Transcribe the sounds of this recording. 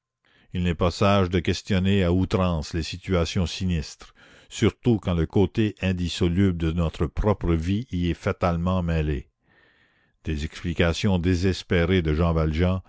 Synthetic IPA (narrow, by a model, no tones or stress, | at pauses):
ilnɛpasaʒd̪əkʲɛst̪jɔneaut̪ɾɑ̃ːslesit̪yasjɔ̃sinist̪ɾ | syʁt̪ukɑ̃ləkot̪eʔɛ̃d̪isɔlyb̚d̪ənɔt̪ɾəpɾɔpɾəviiɛfat̪almɑ̃mɛle | d̪̥ezɛksplikasjɔ̃d̪ezɛspeʁed̪əʒɑ̃valʒɑ̃